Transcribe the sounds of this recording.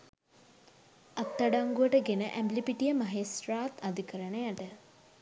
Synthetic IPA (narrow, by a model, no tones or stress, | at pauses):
at̪ːaɖaŋɡuəʈəɡenəʔæmblipiʈijəmaɦesraːt̪ad̪ikəɾənejaʈə